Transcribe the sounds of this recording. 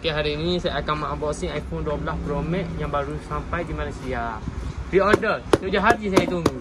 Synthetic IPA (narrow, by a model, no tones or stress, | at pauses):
okeɦaɾiːnĩsaakamaʔabɔʔsiŋajfɔnduabəlaspɾomɛ̃ʔjãŋbaɾusampajdimanusiabiɔdəsud͡ʒaɦat̚d͡ʒis̬ajat̪uŋɡu